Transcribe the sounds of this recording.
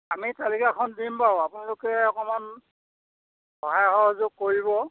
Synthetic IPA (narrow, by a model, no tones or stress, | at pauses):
amitalikakʰɔndimpaʊapʊnalʊkɛɔkɔman | hɔɦajxɔɦzok̚kːoɹiβɔ